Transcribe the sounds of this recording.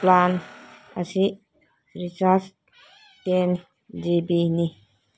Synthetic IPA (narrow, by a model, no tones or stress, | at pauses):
plan | asi | ɾisas | ten | d͡ʒibini